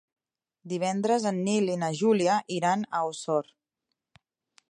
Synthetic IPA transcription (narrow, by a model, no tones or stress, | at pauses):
d̪iβ̞ɛnd̪ɾəzənːilinəʒuliəʔiɾanəwsɔr